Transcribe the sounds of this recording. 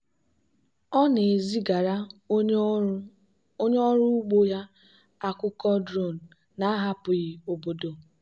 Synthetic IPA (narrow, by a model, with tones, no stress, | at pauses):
ɔ˦ne˨zi˦ɡa˨ɾa˦ | o˦ɲ˦ɔ˦ɾu˦ɡ͡bo˦ja˦ | a˦kʷʊ˦kɔ˦dɾo˦˨n̩˨ | na˨˦ɦa˦pʊ˨ɣi˨o˨bo˦do˨